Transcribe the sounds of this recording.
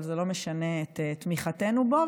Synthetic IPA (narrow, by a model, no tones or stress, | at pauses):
lzelo̞meʃane̞et̪tmiχate̞nubo